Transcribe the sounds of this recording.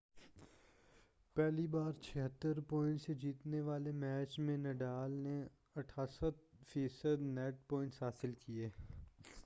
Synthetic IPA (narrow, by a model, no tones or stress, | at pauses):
pɛːlibaːɾt͡ʃʰɐɦət̪ːəɾpɔːɪ̃ɳʈsed͡ʒiːt̪neʋaːlemɛːt͡ʃmẽnɛɖaːlne | ɐʈʰaːsət̪fiːsəd̪nɛːʈ̚pɔ̃ːɪ̃ɳʈsɦaːsɪlkieː